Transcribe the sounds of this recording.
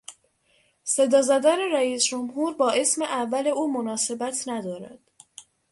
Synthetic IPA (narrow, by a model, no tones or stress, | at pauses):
se̞d̪ɒːzæd̪ɒːne̞ɾæiːsd͡ʒomhuːɾbɒːʔe̞smeʔævːæle̞uːmonɒːse̞bæt̪ʰnæd̪ɒːɾæ̰d̪̥